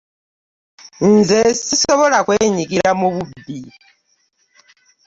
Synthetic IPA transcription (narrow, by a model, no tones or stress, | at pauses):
nzesisoβo̞lakweːɲikiɾamuβubi